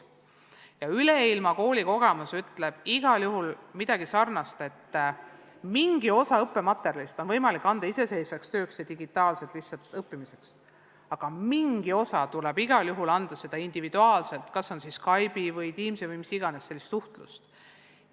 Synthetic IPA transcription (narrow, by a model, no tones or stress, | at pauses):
jɑyleilmɑko̞ːlʲiko̞ɡ̥e̞musyt̪le̞b̥iɡ̥ɑljuɦulmid̪ɑɡ̥isɑrnɑst̪e̞t̪ː | miŋɡ̥io̞sɑɤpːe̞mɑt̪ːˑeɾjɑlist̪o̞nvɤjmɑlikːˑɑnd̪̥ɑise̞se̞jsvekst̪ø̞ːksjɑd̪iɡ̥it̪ːˑɑːlset̪ːˑlihsɑlt̪ːˑɤpːimise̞ks | ɑɡ̥ɑmiŋɡ̥io̞sɑt̪ulɛb̥iɡ̥ɑljuɦulɑnd̪̥ɑse̞d̪̥ɑind̪ivid̪uɑːlse̞lt̪kɑsːo̞nsiskɑjbivɤjt̪iːmsevɯjmisiɡ̥ɑnesːe̞lːist̪suht̪lṵst̪